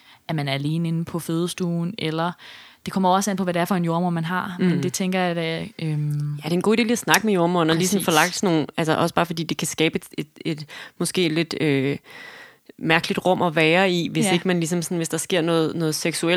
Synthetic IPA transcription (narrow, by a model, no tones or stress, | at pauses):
æɐmænæɐæle̝ːnəe̝nn̩pʰɒ̽føːð̞ˠsd̥uːn̩ʔelɐd̥e̝kʰɒ̽m̰ɐɒ̽sæn̰pʰɒ̽ʋæɾeɐfɒ̽e̝njo̝ɐmoɐmænɦɑ̈mend̥e̝t͡sʰeŋɡ̥ɐjɑ̈d̥æømjæd̥e̝enɡ̥o̰ːd̥e̝ːlæsnɑ̈ɡ̥əmejo̝ɐmo̰ɐnɒliːsɒ̽n̩fɒ̽lɑ̈ɡ̥̚d̥sno̝ːn̩ælsɐʔɒ̽sə̥b̥ɑːfɒ̽d̥ḭːd̥e̝kʰæsɡ̥ɛːb̥e̥e̝d̥e̝d̥mɒ̽sɡ̥e̝̰̥ːle̝d̥ø | mæɐɡ̥lid̥ʁɔ̽m̰ɒ̽ʋɛːɐiʋe̝se̝ɡ̥əmænlisɒ̽msɒ̽nʋe̝sd̥ɑ̈sɡ̥e̝ɐ̰nɔ̽ːð̩ˠnɔ̽ːð̩ˠseɡ̥suel